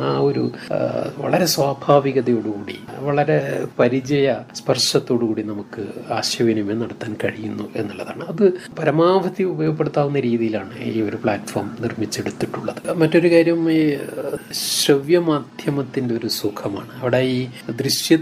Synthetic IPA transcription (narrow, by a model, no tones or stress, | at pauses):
aːo̞ɾṵ | ʋɐ̰ɭɐɾe̞swaːbʱaːʋiɣɐðɐjo̞ːɽukuːɽḭʋɐɭɐɾepɐɾit͡ɕɐjɐspɐrʂɐt̪ːo̞ːɽukuːɽinɐmukːɨaːɕjɐʋinumenːɐɽɐt̪ːaːnkɐɻijunːuʔe̞̰nːulːɐða̰ːɳɨɐðɨpɐɾɐmaːbʱɐt̪iubɐjoɡɐpːeɽut̪ːaːʋunːɐɾiːðijilaːɳɨiːo̞ɾupɭaːtfoːrmnirmit͡ɕːe̞ɽut̪ːiʈːuɭːɐðɨmɐtːo̞ɾukaːɾjɐmi | ɕɾɐʋjɐmaːd̪ʱjɐmɐt̪ːinde̞o̞ɾusukʰɐma̰ːɳɨɐʋiɽejiːd̪riɕjɐ